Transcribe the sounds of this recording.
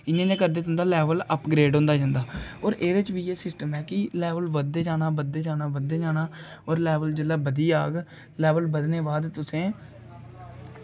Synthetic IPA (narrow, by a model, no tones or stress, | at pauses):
ɪnãːd͡ʒãːkəɾd̪eːt̪ʰʊ̃ːnd̪aːlɛːʋələpɡɾeːɖɦõːnd̪aːd͡ʒãːnd̪aːoːɾʔeːɾet͡ʃʋiːeːsɪsʈəmɛːkɪlɛːʋəlʋəd̪eːd͡ʒaːnaːbəd̪eːd͡ʒaːnaːbəd̪eːd͡ʒaːnaː | oːɾlɛːʋəld͡ʒəlːaːbəd̪iːaːɡ | lɛːʋəlbəd̪neːbaːd̪t̪ʊsẽː